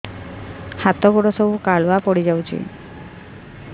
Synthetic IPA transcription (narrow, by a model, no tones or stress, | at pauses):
hat̪ɔɡuɽɔsɔbukaɭɔapɔɽid͡ʒawt͡ʃʰḭ